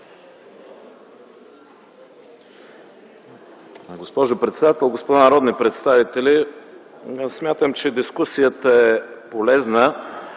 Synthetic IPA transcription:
ɡospɔʒopɾɛt̪sɛd̪at̪ɛlˠɡospod̪anɐɾɔd̪nipɾɛt̪st̪avit̪ɛli | smʲjat̪əmt͡ʃɛd̪iskusijət̪əɛpolɛznə

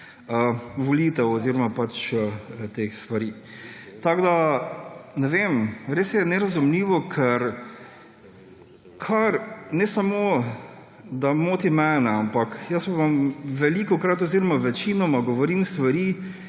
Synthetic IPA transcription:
əʋɔliːt̪ɛwɔziɾɔmapat͡ʃət̪exst̪ʋaɾiː | t̪aɡd̪a | nɛʋemɾeːsjɛnɛɾazumliːʋɔkʰɛɾ | kʰaɾnɛsamo | d̪amoːt̪imɛnɛampakjəsʋamʋɛliːkɔkɾat̪ɔziɾɔmaʋɛt͡ʃinɔmaɡɔʋɔɾimst̪ʋaɾi

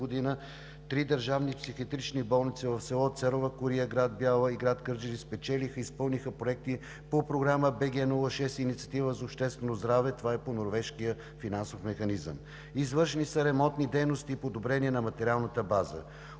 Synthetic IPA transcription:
od̪inə | t̪ɾid̪əɾʒavnipsixiət̪ɾit͡ʃnibɔlˠnit̪sɛvɐfsɛlˠɔt̪sɛɾovəkʊɾiəɡɾad̪̚bjalˠəiɡɾat̪kəɾd͡ʒɛɾispɛt͡ʃɛlixəispɤlˠnixəpɾoɛk̚t̪i | popɾoɡɾaməbɛɡʲɛnulˠəʃɛst̪init̪siə̥t̪ivəzɐopʃt̪ɛst̪vɛnozd̪ɾavɛt̪ovaɛponoɾvɛʃkijə | finansofmɛxɐnizə̰m | izvəɾʃɛnisəɾɛmɔnt̪nid̪ɛjnost̪iːpod̪obɾɛniɛnɐmɐt̪ɛɾialˠnət̪əbazə̰

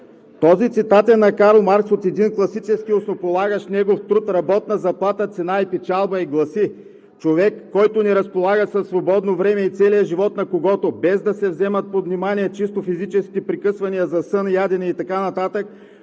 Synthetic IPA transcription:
t̪ɔzit̪sit̪at̪ɛnːɐkaɾlˠmaɾksot̪ɛd̪inklˠɐsit͡ʃɛskʲiosnopolˠaɡəʃnɛɡoft̪ɾut̪ɾɐbɔt̪nɐzɐplˠat̪ət̪sɛnaipɛt͡ʃalˠbɐiɡlˠɐsi | t͡ʃovɛkːɔjt̪ʊnɛɾɐspolˠaɡəsɐsːvobɔd̪novɾɛmɛit̪sɛlijəʒivɔt̪nɐkoɡɔt̪obɛzd̪ɐsɛvzɛmɐt̪̚pod̪vnimaniɛt͡ʃist̪ofizit͡ʃɛskʲi̥t̪ɛpɾikɤsvɐniɐzɐsɤnjad̪ɛnɛit̪ɐkanɐt̪at̪ək̚

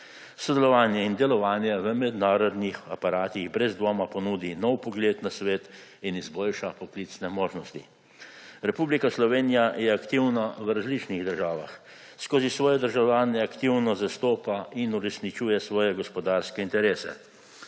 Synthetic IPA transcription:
sɔd̪ɛlɔʋaːnjɛind̪ɛlɔʋaːnjɛʋəmɛd̪naːɾɔd̪nixa̰paɾaːt̪iɣbɾɛzd̪ʋoːmapɔnuːd̪inɔwpɔɡleːt̪nasʋeːt̪ | inizboːlʃapɔkliːt̪snɛmoːʒnɔst̪ḭ | ɾɛpublikaslɔʋeːnijajɛakt̪iwnawɾazlit͡ʃniɣd̪əɾʒaːʋa̰x | skoːzisʋɔːjɛd̪əɾʒawlʲaːnɛakt̪iwnɔzast̪oːpainuɾɛsnit͡ʃuːjɛsʋɔːjɛɡɔspɔd̪aːɾskɛint̪ɛɾeːsɛ̰

